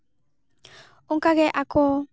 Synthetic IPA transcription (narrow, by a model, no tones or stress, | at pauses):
ʊŋkaɡɛʔakʰo